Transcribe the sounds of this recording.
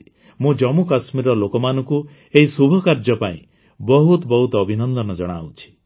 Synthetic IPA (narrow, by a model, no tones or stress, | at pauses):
mũd͡ʒɔmukasmiɾɔlokɔmanɔŋku | eɦisubʱɔkaɾd͡ʒɔpaĩ | bɔɦut̪ɔbɔɦut̪ɔːbʱinɔnd̪ɔnɔd͡ʒɔɽ̃a̰wt͡ʃʰi̥